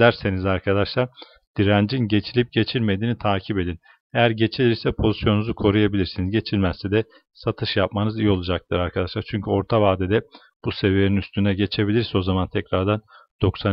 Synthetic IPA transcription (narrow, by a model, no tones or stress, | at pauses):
æɾse̞nizaɾkʰad̪aʃlˠaɾ | d̪̥iɾænd͡ʒinɟe̞t͡ʃʰilʲip̚ɟe̞t͡ʃʰilʲme̞d̪iːnit̪ʰaːcʰibe̞d̪in | e̞jæɾɟe̞t͡ʃʰilʲiɾsɛpʰo̞zisjo̞nuzukʰo̞ɾujabilʲiɾsinizɟe̞t͡ʃʰilʲmɛssɛd̪ɛ | sat̪ʰɯʃjapmanɯzijo̞lˠud͡ʒak̚t̪ʰɯɾaɾkʰad̪aʃlˠaɾt͡ʃʰyɲcʰyo̞ɾt̪ʰavaːd̪ɛd̪ɛ | b̥use̞vijeninyst̪ʰynɛɟe̞t͡ʃʰe̞bilʲiɾso̞zamant̪ʰɛcɾaɾd̪and̪̥o̞ksa